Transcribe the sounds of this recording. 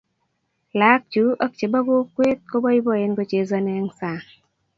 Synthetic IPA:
la˨˦k̚t͡ʃu˨˦ɔ˦k̚t͡ʃe˨ba˦ɡo˦kwe˦t̪̚ko˦bɔ˦i˦bɔ˨e˧nɡo˧t͡ʃe˨za˧nɛ˧ŋsa˨

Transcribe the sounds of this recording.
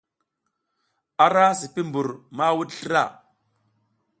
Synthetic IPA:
a˦ɾa˦s̬i˨pi˦mbu˨ɾma˦wu˦ɗɬə˦ɾa˦˨

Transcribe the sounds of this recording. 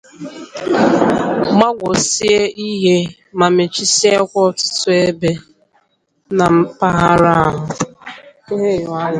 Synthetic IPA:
ma˦ɡʷo˨si˦e˦i˦ɦe˦ | ma˨me˨t͡ʃi˦si˦a˦kʷɔ˦tʊ̥˦tʊ˦e˦be˦ | na˨m̩˦pa˦ɦa˦ɾa˦a˦ɦʊ˨˦ | ɦe˦˨jʊ˨a˦

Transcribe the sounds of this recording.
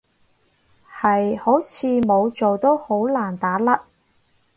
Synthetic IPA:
hɐ˨jho˨˥wt͡sʰiː˨˧mo˨˧wt͡so˨wt̪o˥who˨˥wlaː˨˩nt̪aː˨˥lɐ˥k̚

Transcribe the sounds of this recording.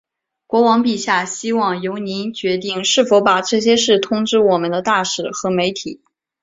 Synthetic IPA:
kwɔ˧˥wɑ˧˥ŋpi˨˩ɕja˥˩ɕi˥wɑ˥˩ŋjo˧˥ʊni˧˥nt͡ɕɥɛ˧˥t̪i˥˩ŋʂɻ̩˥˩fo˧˥ʊpa˨˩ʈ͡ʂɤ˥˩ɕ̬jɛ˥ʂɻ̩˥˩t̪ʰʊ˥ŋʈ͡ʂɻ̩˥wɔ˨˩mə˦nd̪ə˧t̪a˥˩ʂɻ̩˨˩xɤ˧˥me˧˥ɪt̪ʰi˨˩˦

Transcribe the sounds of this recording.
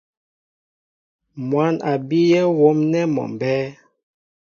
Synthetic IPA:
mwa˨˦na˨bi˦jɛ˦wo˨˦mnɛ˦mɔ̰˨m˨bɛ˦

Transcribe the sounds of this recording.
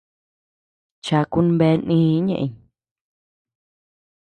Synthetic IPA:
t͡ʃa˧ku˦n˦be˧˦nĩː˦ɲḛ̃˦ʔḭ˧ɲ

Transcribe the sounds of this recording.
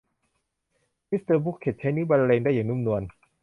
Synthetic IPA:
mi˦˥st̪ɤː˧bu˦˥kʰːe˨˩t̪̚t͡ɕʰeː˧˥niː˦˥˩ba˧lleː˧ŋda˥˩ja˨˩ŋnu˦˥˨mnu˧ən

